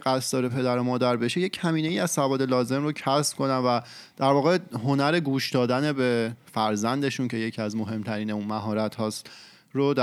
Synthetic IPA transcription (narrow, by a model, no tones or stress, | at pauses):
ɢæsd̪̥ɒːɾe̞pʰe̞d̪æɾomɒːd̪æɾbe̞ʃeje̞cʰhæmiːne̞iːæzsævɒːd̪e̞lɒːze̞mrocʰæsb̥̚kʰo̞nænvæ | d̪̥æɾvɒːɣe̞ɦo̞næɾe̞ɡuːʃd̪ɒːd̪æne̞be̞fæɾzænd̪e̞ʃuncʰe̞je̞cʰiæzmo̞ɦe̞mt̪ʰæɾiːneunmæɦɒːɾæt̪hɒːs | ɾod̪